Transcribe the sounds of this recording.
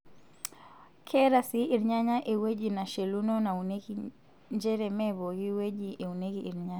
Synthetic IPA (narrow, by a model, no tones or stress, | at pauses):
kʰɛɾasiiɾɲaɲaʔɛuwɛʄinaʃɛlunɔnaunɛki | ɲd͡ʒɛɾɛmɛβɔjiwɛʄiʔɛunɛɣiiɾɲaɲa